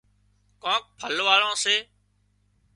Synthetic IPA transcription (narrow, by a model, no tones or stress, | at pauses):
kɔ̃ːk̚pʰəlʋaːɭõːseː